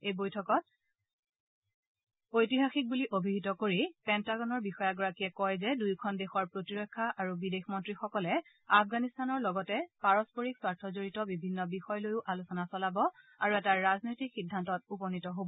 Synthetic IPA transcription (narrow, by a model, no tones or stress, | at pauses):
ejbojtʰɔkɔt̚ | ojtiɦaxik̚buliʔobʱiɦitɔkoɹipɛntaɡɔnɔɹbixɔjaɡɔɹakiɛkɔjzɛdujkʰɔndexɔɹpɹotiɹɔkʰːaʔaɹubidexmɔntɹixɔkɔlɛ | afʰɡanistanɔɹlɔɡɔtɛpaɹɔspoɹikswaɹtʰɔzoɹitɔbibʱinːɔbixɔjlojʊʔalusɔnasɔlabɔ | aɹuɛtaɹːaznojtikxidʱːantɔt̚upɔnitɔɦobɔ